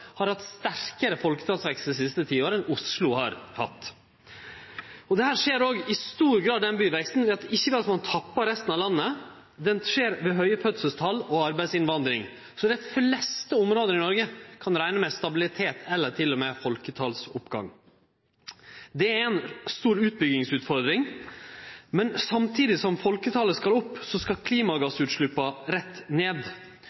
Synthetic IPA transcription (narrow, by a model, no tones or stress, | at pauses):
hɑɾhɑt̪st̪æɾkəɾəfɔlkə̥t̪ʰɑlsʋɛkst̪əɾs̬ɪst̪ət̪ʰiːoːɾənʊslʊhɑ̰ɾhɑ̰t̪ː | ɔd̪ɛhæːɾʂeːɾoːɡɪst̪uːɾɡɾɑːd̪ːɛnbyːʋɛkst̪n̩ʋɛɑt̪ɪçːəʋɛɑt̪mɑnt̪ʰɑpːɑɾɛst̪ənɑʋlɑnːə | d̪ɛnʂeːɾʋɛɦœʏəpʰœt̪səst̪ʰɑlɔɑɾbæɪsɪnʋɑnd̪ɾɪŋ | sɔd̪æflɛst̪əʊmɾoːd̪əɾɪnɔɾɡəkʰɑnɾæɪnəmɛst̪ɑbɪlɪt̪ʰeːt̪ʰɛlːəʈʰɪlːɔmɛfɔlkət̪ʰɑlsʊpɡɑ̰ŋ | d̪ɛæɾænst̪uːɾʉːt̪̚bʏɡɪŋsʉːt̪fɔɾd̪ɾɪŋ | mɛnsɑmt̪ʰiːd̪ɪsɔmfɔlkət̪ʰɑləskɑlɔpːsɔskɑkʰliːmɑɡɑsʉːt̪ʂɭʉpːɑɾɛt̪ːneːd̪